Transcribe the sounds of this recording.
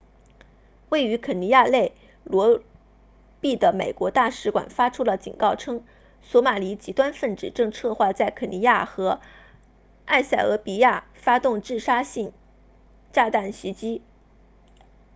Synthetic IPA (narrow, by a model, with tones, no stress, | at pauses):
we˥˩ɪy˧˥kʰə˨˩ni˧˥ja˥˧le˥˩ɪ | lwɔ˧˥ | pi˥˩d̪ə˩me˨˩ɪkwɔ˧˥t̪a˥˩ʂɻ̩˧˥kwa̰˨˩nfa˥ʈ͡ʂʰu˥lə˨t͡ɕḭ˨˩nkɑ˥˩ʊʈ͡ʂʰɤ˥ŋ | swɔ˧˥ma˨˩li˧˥t͡ɕi˧˥t̪wa˥nfə˥˩nʈ͡ʂɻ̩˨˩ʈ͡ʂɤ˥˧ŋʈ͡ʂʰɤ˥˧xwa˥˧t͡sa˥˩ɪkʰɤ˨˩ni˧˥ja˥˩xɤ˧˥ | a˥˧ɕa˥˩ɪɤ˧˥pi˨˧˥ja˥˩ | fa˥t̪ʊ˥˧ŋʈ͡ʂɻ̩˥˩ʂa˥ɕi˥˩ŋ | ʈ͡ʂa˥˧t̪a˥˩nɕi˧˥t͡ɕi˥